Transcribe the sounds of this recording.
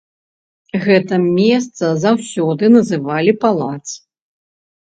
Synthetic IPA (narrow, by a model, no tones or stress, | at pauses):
ɣɛt̪ɐmʲɛs̬t̪sɐzawsʲɔd̪ɨnɐzɨvalʲipalˠat̪sɨ